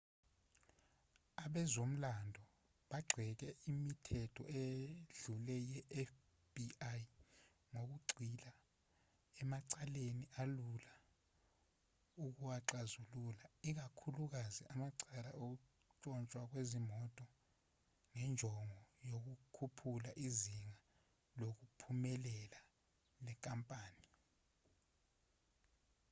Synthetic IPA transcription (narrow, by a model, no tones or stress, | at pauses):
aɓɛzom̩landʱɔ | ɓaɡ͡ǀʱɛk̬ɛimitʰɛtʰɔ̰eɮulɛjɛʔɛf | b̥iaj | ŋok̬uɡ͡ǀʱila | ɛmaǀaleniʔalula | uk̬uwaǁazululaik̬akʰuluk̬aziʔamaǀalaʔok̬u | t͡ʃʼɔnt͡ʃʼwak̬wezimɔtʼɔ | ŋɛnd͡ʒʱɔŋɔjok̬ukʰupʰulaʔiziŋa | lok̬upʰumɛlɛla | lɛkʼampʼaːni